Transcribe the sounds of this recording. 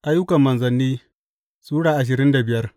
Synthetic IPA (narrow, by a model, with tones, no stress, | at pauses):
ʔa˦jːʊ˦kɐ˨mːɐ˨nzɐ˨nːiː˦ | suː˦ɽaː˨ʔa˨ʃ̬ɪ˨ɾɪ˦nda˨bɪ˨jɐ˦r